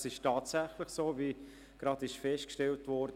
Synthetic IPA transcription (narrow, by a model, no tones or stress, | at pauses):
sɪʃtɑːtsæχləχsoːvi | ɡ̥ɾɑdɪʃfɛʃtkʃtɛltʋɔːɾd